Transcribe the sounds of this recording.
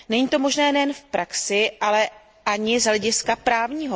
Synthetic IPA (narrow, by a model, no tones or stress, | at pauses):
nɛɲiːt̪o̞mo̞ʒnɛːnɛjɛnfpɾaksɪʔalɛ | ʔaɲɪzɦlɛɟɪskapɾaːvɲiːɦo̞